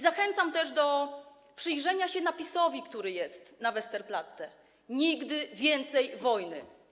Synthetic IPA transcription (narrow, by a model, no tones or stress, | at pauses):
zaxɛnt̪samt̪ɛʐd̪ɔ | pʂɘjʐɛɲaɕɛnapʲisɔvʲikt̪uɾɘjɛst̪navɛst̪ɛɾplat̪ːɛ | ɲiɡd̪ɘvʲjɛnt̪sɛjvɔjnɘ̰